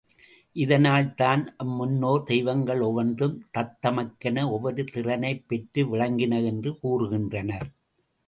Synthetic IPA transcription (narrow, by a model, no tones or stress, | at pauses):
ʔɪðɐnaːlt̪aːnʔɐmːʊnːoːd̪ɛjʋɐŋɡɐɭɔʋɐndɯmt̪ɐt̪ːɐmɐkːɐnɐɔʋːɔɾɯt̪ɪrɐnɐɪpːɛʈrɯʋɪɭɐŋɡɪnɐɛndrɯkuːrɯɣɪndrɐnɐɾ